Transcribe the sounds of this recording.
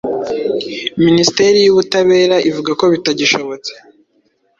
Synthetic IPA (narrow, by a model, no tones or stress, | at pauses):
ministe̞ɾijuβutaβe̞ːɾaʔivuɡako̞βitaɟiʃo̞βo̞t͡se̥